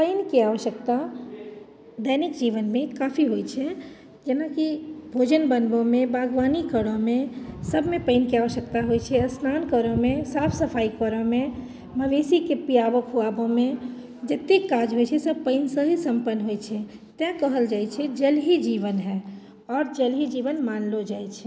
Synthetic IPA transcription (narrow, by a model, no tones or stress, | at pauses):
pəɪnkiaːʋəʃəkt̪a | d̪ɛnɪkd͡ʒiːʋənmẽkaːpʰiɦoit͡ʃʰɛ | d͡ʒənakibʱoːd͡ʒənbənbõmẽbaːɡʋaːnikəɽõmẽsəbʱmẽpəɪnkiaːʋəʃək̚t̪aɦoit͡ʃʰɛəsnaːnkəɾõmẽsaːpʰsəpʰaːikəɾõmẽ | məʋesikepijabəkɦuabõmẽ | d͡ʒet̪ːekːaːd͡ʒɦoit͡ʃʰɛsəb̚pəɪnsə̃ɦisə̃mpənːɦoit͡ʃʰɛt̪ãkəɦəld͡ʒaːjt͡ʃʰɛd͡ʒəlɦid͡ʒiːʋənɦɛː | ɔːɾd͡ʒəlɦid͡ʒiːʋənmaːnlod͡ʒaːit͡ʃʰɛ